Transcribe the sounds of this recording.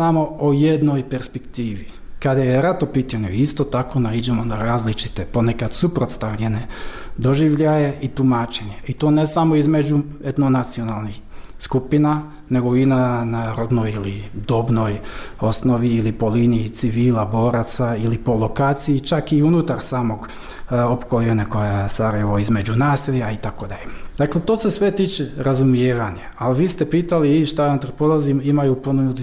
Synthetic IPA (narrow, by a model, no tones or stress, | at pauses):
samo̞ojed̪nojpeɾspekt̪iːʋi | kad̪ajeɾat̪opiːt̪aɲuist̪ot̪ako̞naid͡ʒemonaɾaːzlit͡ʃi̥t̪epo̞nekad̪supɾo̞t̪st̪aʋʎe̞ned̪o̞ʒiʋʎajeʔit̪umaːt͡ʃeɲeit̪oːnesamo̞izmed͡ʒued̪nonat̪sio̞nalˠnixskupina | ne̞ɡo̞inanaɾod̪nojilid̪o̞bno̞jo̞sno̞ʋiilipo̞liːniit̪siʋiːlabo̞ːɾat̪sailipo̞lˠo̞kaːt̪siit͡ʃakiunut̪aɾsaːmo̞ɡ | opkolienakojesaɾajeʋo̞izme̞d͡ʑunaːsilʲait̪akod̪a̰ʎed̪akle̞t̪oːsesʋet̪iːt͡ʃeɾazumjeːʋaɲaalʋiːst̪epiːt̪aliʃt̪anut̪aɾpolˠazimimajuponud̪